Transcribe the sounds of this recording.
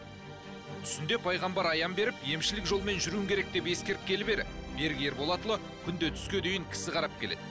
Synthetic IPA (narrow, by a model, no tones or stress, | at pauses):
t̪ʰʏ̥sɪnd̪e̞pʰɑjʁɑmbɑɾɑjɑmbe̞ɾɪpje̞mʃɪlɪkʒo̞lˠme̞nʒʏɾuwɪŋkʲʰe̞ɾe̞k̚d̪e̞pje̞skʲe̞ɾɪkʲʰe̞lɪbe̞ɾɪbe̞ɾɡʲijeɾbo̞lˠɑt̪əlˠə | kʲʰʏnd̪et̪ʰʏ̥skʲed̪ejɪŋkʲʰɪ̥sɪqʰɑɾɑp̚kʲʰe̞le̞̰d̪̥ɪ